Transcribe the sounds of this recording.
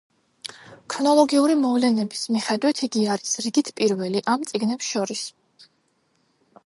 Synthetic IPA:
kʰɾɔnɔlˠɔɡiuɾimɔvlɛnɛbismiχɛd̪wit̪ʰiɡiaɾisɾiɡit̪ʰpʼiɾvɛliʔamt̪sʼiɡnɛpsʃɔɾis

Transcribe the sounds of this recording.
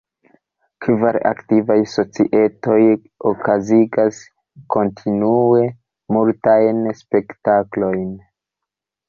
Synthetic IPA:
kʰvaɾa̰ktivajso̞t͡sḭʔe̞to̞j | o̞kʰaziɡas | ko̞ntʰinue̞ | multajnspe̞ktaklo̞jn

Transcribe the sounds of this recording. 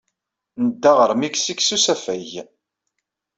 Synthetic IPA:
nəd̪ːaʁəɾmiksiksusæfæj

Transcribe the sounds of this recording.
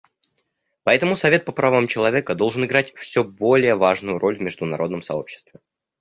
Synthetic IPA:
pɐɛt̪əmʊsɐvʲe̞t̪̚pəpɾɐvamt͡ɕɪlˠɐvʲe̞kəd̪o̞lˠʐɨnɨɡɾatʲfsʲɵbo̞lʲɪjəvaʐnʊjʊɾʔo̞lʲvmʲɪʐd̪ʊnɐɾo̞d̪nəmsɐ̰o̞̰pɕːɪ̥st̪vʲɪ

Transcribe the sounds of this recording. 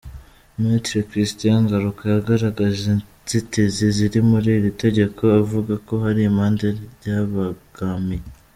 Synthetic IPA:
mitɾekɾistijaŋɡaɾukajaɡaɾaɡaʒen | z̥itiziziɾimuɾiːɾite̞ɟe̞kʰo̞avuɡako̞ɦaɾiːmaːndeɟaβaɡ̥ami

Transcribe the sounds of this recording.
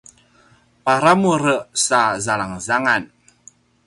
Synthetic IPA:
paɾamuɾəʔsazalaŋzaŋan

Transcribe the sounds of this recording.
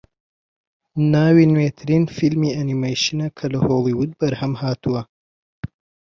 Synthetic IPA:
naːwiːnwet̪ʰɨɾiːnfilmiːɐnimɐjʃɨnɐkʰɐlɐhoːlˠiːwʊd̪̚bɐɾhɐmhaːt̪ʰuwɐ

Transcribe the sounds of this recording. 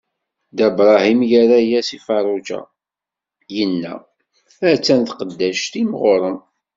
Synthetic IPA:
d̪æbɾˤɑɦimjəɾæjæsifɑɾˤud͡ʒæ̰ | jənːæ̰ | æt͡sːænθqəd̪ːæʃt̪imʁoɾˤəm

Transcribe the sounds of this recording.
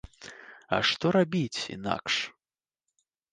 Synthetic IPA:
ɐ̰ʂt̪ɔɾabʲit͡sʲḭna̰kʂ

